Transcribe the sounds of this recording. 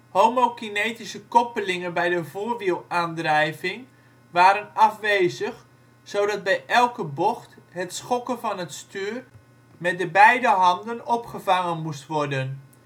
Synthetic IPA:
homokinejtisəkɔpəlɪŋənbɛjdəvoːrʋilˠaːndrɛjvɪŋ | ʋaːɾənɑfʋeːzəx | sowdɑt̚bɛjʔɛlˠkəbɔxtɦətsχɔkənvɑnətstyːr | mɛt̚dəbɛjdəɦɑndənɔpχəvɑŋənmustʋɔrdən

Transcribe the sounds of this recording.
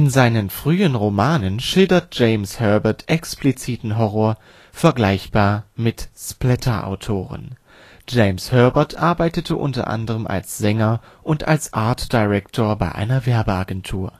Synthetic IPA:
ʔɪnzaɪnənfʁ̥yːənʁomaːnənʃɪldɐt̚ʒ̥eɪmshœɐbɐtʰʔɛksplit͡siːtn̩ɦɔʁɔːɐ | fɛɐɡlaɪçb̥aːɐmɪtsplɛtʰɐʔa̰ʊtʰoːʁ̞ə̰n | d͡ʒeɪmshœɐbɐtʰʔaɐbaɪtətʰəʔʊ̰ntɐ̰ʔa̰ndəʁəmʔa̰lsz̥ɛŋɐ | ʔʊnta̰lsʔaɐtd̥aɪʁɛktʰoːɐbaɪʔa̰ɪnɐvɛɐbəaɡɛntʰuːɐ

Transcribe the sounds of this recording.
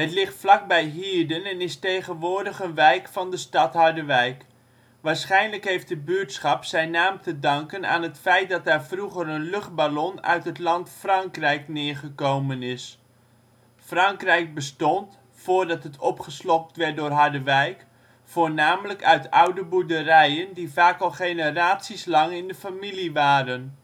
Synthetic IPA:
ɦətlɪχtflɑk̚bɛjɦiːɹdənɛnɪstejχənʋʊːɹdəχənʋɛjkfɑndəstɑtɦɑɹdəʋɛjk | ʋaːɹsχɛjnləkɦejft̚dəbytsχɑpsɛjnaːmtədɑŋkəna̰ːnɦətfɛjt̚dɑt̚aːɹfruχəɾənlɵχd̚balɔnœ̰ɥtɦətlɑntfrɑŋkrɛjknɪːɹχəkowmənɪs | frɑŋkrɛjk̚bəstɔnt | foːɹdɑtɦətʰɔpχəslɔp̚tʋɛɹt̚dʊːrɦɑɹdəʋɛjk | foːɹnaːmələkœɥtʌwdəbudərɛjəndivaːkɑlˠχejnəraːtsislɑŋɪndəfamiliʋaːɾən

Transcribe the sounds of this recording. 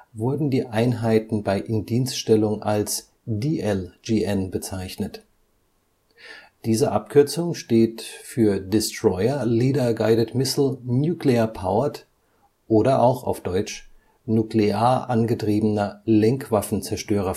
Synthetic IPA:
vʊɐdn̩diːʔaɪnɦaɪtn̩baɪʔɪnd̥iːnstʃtɛlʊŋʔals | diːʔɛld͡ʒiːʔɛnbət͡saɪçnət | d̥iːzəʔap̚kʰʏɐt͡sʊŋʃteːtfyːɐdɪstʁ̥ɔʏɐliːdɐɡaɪdətmɪsl̩njuːklɛɐpʰaʊɐt | ʔoːɾɐʔaʊxa̰ʊfd̥ɔʏt͡ʃ | nukleaːɐʔanɡətʁ̥iːbənɐlɛŋkv̥afn̩t͡sɛɐʃtøːʁ̞ɐ

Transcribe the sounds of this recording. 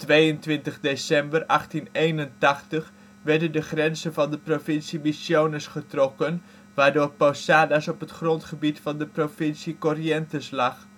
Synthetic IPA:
tʋejəntʋɪntəχdesɛmbərʔɑχtinejnəntɑχtəχ | ʋɛɹdəndəχrɛnzənvɑndəprofɪnsimisjownəsχətrɔkən | ʋaːɹdoːɹpowsaːdasɔpətχrɔntχəbitfɑndəprofɪnsikɔriɛntəslɑχ

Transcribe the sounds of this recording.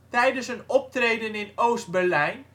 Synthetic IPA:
tɛjdənsənɔp̚trejdənɪnowst̚bɛɹlɛjn

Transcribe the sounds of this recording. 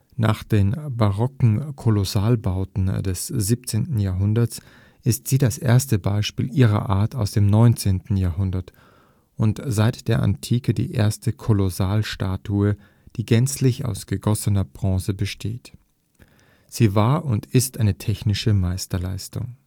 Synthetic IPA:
naːχd̥eːnbaʁɔkŋ̩kʰolosaːlbaʊtn̩dɛsz̥iːp̚t͡seːntn̩jaːɐɦʊndɐs | ʔɪstz̥iːdasʔḛːɐstəbaɪʃpḭːlʔiːʁɐ̰ʔa̰ːɐtaʊsd̥eːmnɔʏnt͡seːntn̩jaːɐhʊndɐt | ʔʊntz̥aɪtd̥eːɐʔa̰ntʰiːkədḭːʔḛːɐstəkʰolosaːlʃtaːtʰuə | d̥iːɡɛnt͡slɪça̰ʊsɡ̥əɡɔsənɐbʁɔ̃ːsəbəʃtʰeːt | z̥iːvaːɐʔʊntɪstʔaɪnətʰɛçnɪʃəmaɪstɐlaɪstʊ̰ŋ

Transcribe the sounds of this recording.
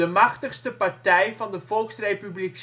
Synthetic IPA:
əmɑχtəχstəpɑrtɛjvɑndəv̥ɔlˠksrejpyblik

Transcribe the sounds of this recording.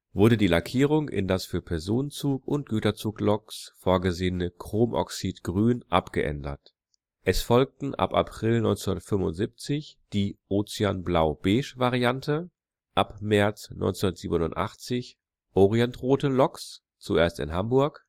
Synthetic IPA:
vʊɐɾədiːlakʰiːʁ̞ʊŋʔɪ̰ndasfyːɐpʰɛɐzoːnənt͡suːkʊnt̚ɡ̥yːtɐt͡suːklɔksfoːɐɡəzeːənəkʁ̥oːmʔɔ̰ksitɡ̥ʁyːnʔapɡ̥əʔɛ̰ndɐ̰t | ʔɛsfɔlk̚tn̩ʔa̰pʔa̰pʁ̥ɪlnɔʏnt͡snundɐtfʏmʊ̰ntz̥iːp̚t͡sɪçd̥iːʔoːt͡siaːnblaʊb̥eːʃvaʁiantʰə | ʔapmɛɐt͡snʔɔ̰ʏnt͡sndɐtz̥iːbənʊntʔa̰χt͡sɪç | ʔɔʁiɛntʁoːtəlɔks | t͡suʔeːɐstɪ̰nɦambʊɐk

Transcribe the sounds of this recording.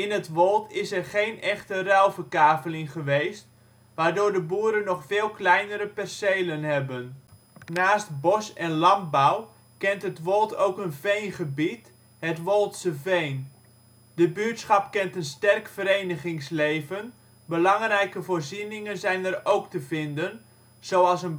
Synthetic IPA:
ɪnɦətʋɔlˠtɪsɛrχejnɛχtərɛlˠvətaːvəlɪŋχəʋejst | ʋaːɹdʊːɹdəbuːɾənːɔχfɪːlˠklɛjnəɾəpɛrsejlənɦɛbən | naːst̚bɔsɛnlɑmbaw | kɛntɦətʋɔlˠtʰowkənvejnχəbit | ɦətʋɔlˠtsəvejn | dəbytsχɑpkɛntənstɛrkfəɾejnəχɪŋslejvən | bəlɑŋrɛjkəvoːrzinɪŋənzɛjnəɾowktəvɪndən | z̥owɑlˠsən

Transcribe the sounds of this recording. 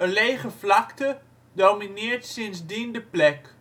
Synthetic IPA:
əlejχəflɑktə | dowminɪːɹtsɪnzdindəplɛk

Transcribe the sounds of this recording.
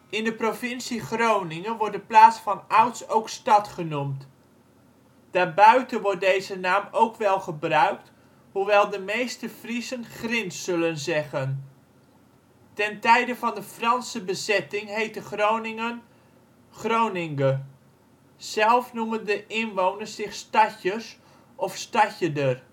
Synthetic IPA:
ʔɪndəprovɪnsiχrownɪŋənʋɔrdəplaːsfɑnʌwtsowkstɑtχənumt | d̥aːɹbœɥtənʋɔɹt̚dejzənaːmowkʋɛlˠχəbrœɥk̚t | huʋɛlˠdəmejstəfrisənχrɪnsɵlənzɛχən | tɛntɛjdəfɑndəfrɑnsəbəzɛtɪŋɦejtəχrownɪŋən | χrownɪŋɡə | z̥ɛlˠfnuməndəʔɪnʋownərssɪχstɑçəs | ʔɔfstɑçədər

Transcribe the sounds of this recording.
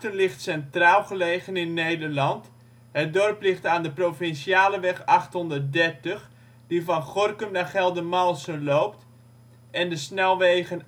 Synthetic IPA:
tənlɪxtsɛntraːlˠχəleːɣənɪnːejdərlɑnt | hət̚dɔrplɪχtaːndəprofɪnsjaːləʋɛxɑxthɔndərt̚dɛrtəx | divɔnχɔrkəmnaχɛlˠdəmalˠsənloːpt | ɛndəsnɛlˠʋeːɣən

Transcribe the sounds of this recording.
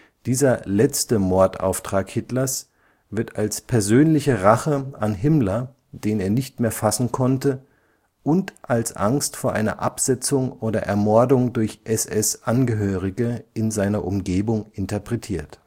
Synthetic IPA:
d̥iːzɐlɛt͡stəmɔɐta̰ʊftʁ̥aːkhɪtlɐs | vɪɐtalspʰɛɐzøːnlɪçəʁaχəʔanɦɪmlɐ | d̥eːneːɐnɪçtmeːɐfasn̩kʰɔntə | ʔʊntʔalsʔa̰ŋstfoːɐʔa̰ɪnɐ̰ʔapz̥ɛt͡sʊŋʔoːdɐʔɛɐmɔɐdʊŋdʊɐçʔɛsɛsʔanɡəɦøːʁɪɡəʔɪnzaɪnɐʔʊmɡeːbʊŋɪntɐpʁ̥ɛtʰiːɐt

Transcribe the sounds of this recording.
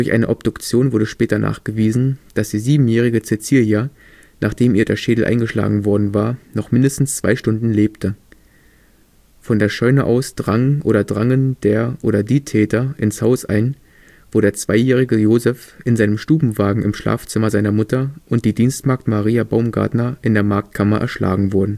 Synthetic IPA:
d̥ʊɐçʔa̰ɪnəʔɔbd̥ʊkt͡sjoːnvʊɐdəʃpɛːtɐnʔa̰ːχɡ̥əviːzn̩d̥asd̥iːziːbm̩jɛːʁ̞ɪɡət͡set͡siːlja | nʔaːχd̥eːmʔiːɐdeːɐʃeːdl̩ʔa̰ɪnɡəʃla̰ːɡŋ̩vɔɐdn̩vaːɐnɔχmɪndəstn̩st͡sv̥a̰ɪʃtʊndn̩leːptʰə | fɔndeːɐʃɔʏnəʔaʊsd̥ʁaŋʔoːɾɐdʁaŋənd̥eːɐʔoːɾɐdiːtʰɛːtɐʔɪnshaʊsʔa̰ɪn | v̥oːɾeːɐt͡sv̥aɪjɛːʁ̞ɪɡəjoːzɛfʔɪnzaɪnəmʃtuːbm̩vaːɡŋ̩ɪmʃla̰ːft͡sɪmɐzaɪnɐmʊtɐʔʊnt̚d̥iːdiːnstmaɐk̚tmaʁiːabaʊmɡa̰ɐtnɐʔɪndeːɐmaɐk̚t̚kʰamɐʔɛ̰ɐʃla̰ːɡŋ̩vʊɐdn̩

